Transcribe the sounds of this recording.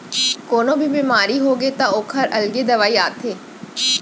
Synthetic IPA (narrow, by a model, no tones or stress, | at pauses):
koːnõbʱibiːmaːɾiɦoɡet̪aoːkʰɐɾɐlɡed̪ɐʋaːiaːt̪ʰeː